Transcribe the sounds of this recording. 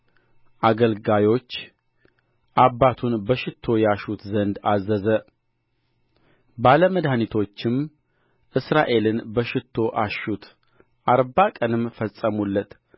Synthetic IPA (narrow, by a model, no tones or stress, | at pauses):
ʔaɡəlɡajo̞t͡ʃː | ʔabːat̪ʰunbəʃɪt̪ʰːo̞jaʃut̪zənd̪azəzə | baləməd̪hanit̪ʰo̞t͡ʃːɪm | ʔɨsɾaʔe̞lɨnbəʃɪt̪ʰːo̞ʔaʃut̪ʰ | ʔaɾbakʼənɨmːfəsʼəmulːət̪